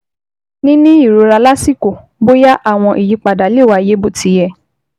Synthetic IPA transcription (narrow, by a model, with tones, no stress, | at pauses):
nĩ˦nĩ˦i˦˨ɾo˨˦ɾa˧la˦si˦˨ko˨ | bo˦ja˦ʔa˦˨w̃ɔ̃˧ʔi˨ji˨˦k͡pa˨da˨˦le˦˨wa˧˦i˨je˦bo˦˨tʰi˨˦jɛ˦˨